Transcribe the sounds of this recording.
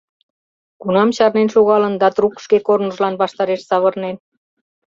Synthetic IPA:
kunɑmɕɑrnenʃuɣɑlənd̪ɑt̪rukʃkekornəʒlɑnβɑʃt̪ɑɾeʃsɑβərnen

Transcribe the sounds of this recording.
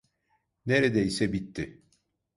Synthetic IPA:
neɾɛd̪ɛisɛbit̪ːɪ

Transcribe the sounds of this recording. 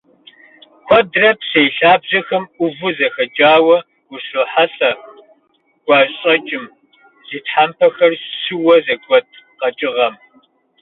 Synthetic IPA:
kʷʰɔdrɐpsejɬaːbʑɐxɐmʔʷʊvʊzɐxɐd͡ʒʼaːwɐ | wuɕoːħaɬɐ | ɡ̥ʷɑːɕʼɐt͡ʃʼɪm | z̥iːtħampʰɐxɐrɕɨwɐzɐɡʷɔd̚ | qɐt͡ʃʼɪʁɐm

